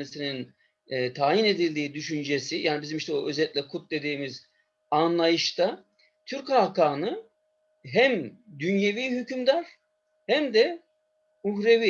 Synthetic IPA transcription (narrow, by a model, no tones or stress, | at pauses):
isininː | t̪ʰaːjine̞d̪ilʲd̪iːd̪yʃynd͡ʒesijaːnibizimiʃt̪ɛoøzɛt̪lʲɛkʰut̪̚d̪e̞d̪iːmiz | anlˠajɯʃt̪ʰa | t̪ʰyɾkakaːnɯ | ɦæmd̪ynjeviːɦycʰymd̪aɾ̥ | hæmd̪ɛ | uɦɾevi